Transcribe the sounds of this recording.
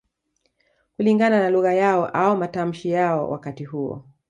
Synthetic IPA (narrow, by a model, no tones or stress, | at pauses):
kuliŋɡananaluɣajaɔʔaɔmatam̩ʃijaɔ̰wʔa̰katihuɔ̰